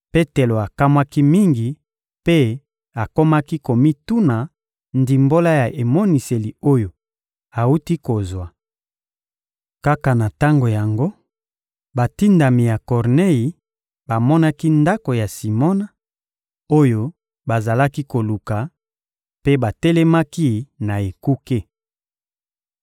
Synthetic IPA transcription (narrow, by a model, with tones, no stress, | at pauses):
pe˦te˨lo˨a˨ka˦mwa˦ki˦mi˦ŋɡi˨ | pe˦ | a˨ko˦ma˦ki˦ko˨mi˦tu˦na˨ | ndi˨mbo˦la˦ja˨ʔe˨mo˦ni˨se˨li˨o˦jo˨ | a˨u˦ti˦ko˨zwa˨ | ka˦ka˨na˨ta˦ŋɡo˨ja˨ŋɡo˦ | ba˨ti˦nda˨mi˨ja˨kɔ˨ʁne˦ji˨ | ba˨mɔ˦na˦ki˦nda˦ko˨ja˨si˨mɔ˦na˨ | o˦jo˦ | ba˨za˨la˦ki˦ko˨lu˨ka˨ | pe˦ba˨tɛ˦lɛ˦ma˦ki˦na˨e˨ku˦ke˦